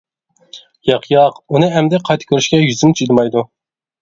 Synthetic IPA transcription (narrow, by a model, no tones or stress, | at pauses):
jɑqʰjɑqunɨɛmd̪ɛqʰɑjt̪ʰɨ̥kʲʰøɾyʃkʲɛjyzɪmt͡ʃ̪ʰyd̪mɑjd̪u